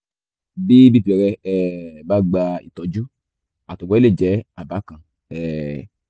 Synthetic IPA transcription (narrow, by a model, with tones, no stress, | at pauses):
bi˦bi˦˨bi˨ɛ˧ɾɛ˧ɛ˨ba˦˨ɡ͡ba˧ḭ˨tɔ˨˦d͡ʒu˦ | a˨to˨ɡ͡bɔ˧˦i˦le˦˨d͡ʒɛ˨˦a˦˨ba˨˦kã˧˨ | ɛ˨